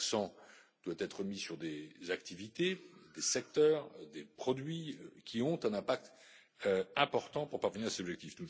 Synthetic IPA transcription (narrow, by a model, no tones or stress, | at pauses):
ksɑ̃d̪̥wat̪ɛt̪χəmisyʁd̪ezak̚t̪ivit̪ed̪esɛk̚t̪œːʁd̪epχɔd̪ɥikʲʰiɔ̃t̪ɛ̃nɛ̃pak̚t̪ | øɛ̃pɔʁt̪ɑ̃puʁpaʁvəniʁasezɔbʒɛk̚t̪ifd̪u